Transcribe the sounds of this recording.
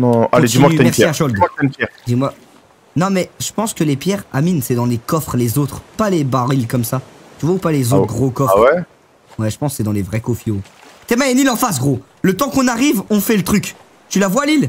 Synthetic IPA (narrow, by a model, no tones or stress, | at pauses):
nɔ̃ãled̪imɔ̃aktɛmɛʁsjɛiaʃɔld̪ak̚t̪ɛnpjɛʁd̪imwa | nɔ̃mɛʒ̥əpɑ̃skəlepjɛʁaminsɛd̪ɑ̃lekɔfχlezot̪χpalebaʁilkɔmsat̪yvwaupalezot̪ɡʁokɔwɛ | wɛʒəpɑ̃ssɛd̪ɑ̃levʁɛkofiot̪ɛmaɛnilɑ̃fas̬ɡʁo | lət̪ɑ̃kɔ̃naʁivɔ̃fɛlət̪χyk | t̪ylavwalil